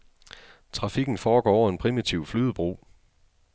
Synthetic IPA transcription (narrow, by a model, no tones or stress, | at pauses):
t͡sʰʁɑ̈fiɡ̥n̩fɒːɡ̥ɒ̰ːɒ̰ʊɐe̝npʰʁimit͡sʰiʊflyð̞ˠb̥ʁṵː